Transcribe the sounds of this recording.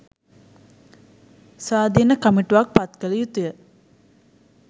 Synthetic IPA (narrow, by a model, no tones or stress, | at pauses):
sʋaːd̪inəkamiʈuʋak̚pat̪kələjut̪ujə